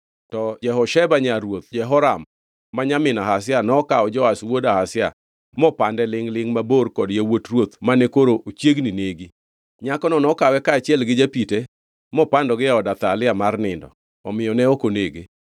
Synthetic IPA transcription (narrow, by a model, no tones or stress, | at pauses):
tɔd͡ʒɛɦɔʃɛbaɲaɾwot̪̚d͡ʒɛɦɔɾamː | aɲamɪnaɦas̬ɪanɔɔkaɔd͡ʒɔaswodahasɪa̰ | mɔpandɛlɪŋlɪŋmaborkɔdjawotrwot̪manɛkoɾoʔot͡ʃjeɡnineɡi | ɲakɔnɔnɔkawɛkaat͡ʃjɛlɡɪd͡ʒapite | mɔpandɔɡɪaɔdat̪alɪamarnɪndɔ̰ | ɔmɪjɔnɛokoneɡe